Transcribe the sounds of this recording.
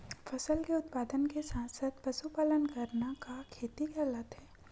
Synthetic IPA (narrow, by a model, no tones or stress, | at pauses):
fʰɐsəlkeʊt̪paːd̪ənkesãːnsəd̪̚pɐsupaːlənkɐɾnakakʰeːt̪ikɛːlət̪ɦɛː